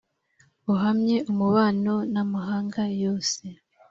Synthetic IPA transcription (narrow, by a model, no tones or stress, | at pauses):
uɦamɲe̞umuβaːno̞namuɦaːŋɡajo̞ːse̞